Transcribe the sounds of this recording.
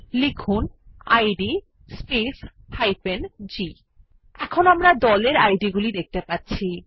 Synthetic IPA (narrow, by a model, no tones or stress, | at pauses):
likʰunajɖi | spes | hajpend͡ʑi | ɛkʰonamɾad̪ɔleɾajɖiɡulid̪ek̚t̪epatːɕʰi